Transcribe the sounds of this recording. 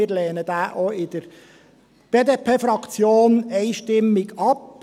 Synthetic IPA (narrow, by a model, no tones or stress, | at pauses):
ɪːɾlɛːnəd̪æːʔɔɪd̪̥əɾ | b̥eːd̪eːpʰeːfɾɑkt͡sjoːnɛɪʃtɪmːiɡɑp